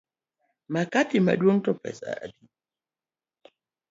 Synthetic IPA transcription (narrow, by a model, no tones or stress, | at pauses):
makatima̰dɔntɔpɛ̰sa̰ʔa̰di